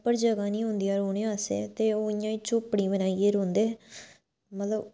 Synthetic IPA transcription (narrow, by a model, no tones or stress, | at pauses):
pəɾd͡ʒəɡaːnĩːɦõnd̪ijaːɾoːɽ̃eːaːsḛːt̪eːoːɪjãːiːt͡ʃopɽiːbənaːieːɾoːnd̪eː | mət̪ləb